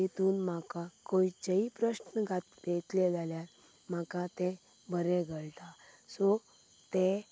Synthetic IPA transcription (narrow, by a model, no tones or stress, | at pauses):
it̪uːnmakakoit͡ɕəipɾəɕnəɡʱat̪det̪lɛd͡zʱaljaɾ | m̤akat̪ɛ̃ | bəɾɛ̃ɡʱəɭʈ̪asɔ | t̪e